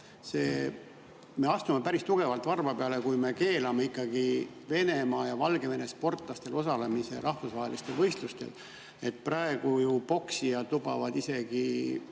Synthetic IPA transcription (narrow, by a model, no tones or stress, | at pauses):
se̞ː | me̞ɑst̪umepæɾist̪uɡ̥e̞vɑlt̪vɑrvɑpeɑle̞kujme̞ke̞ːlɑmeikːˑɑɡ̥i | ve̞ne̞mɑːjɑvɑlɡe̞ve̞ne̞spo̞rt̪ˑlɑst̪e̞lo̞sɑle̞mise̞ɾʔɑhvusvɑɦelist̪e̞lvɤjst̪lust̪e̞̰l | e̞t̪̚prɑeɡ̥ujupo̞ksijɑd̪̥lubɑ̰vɑd̪ise̞ɡ̥i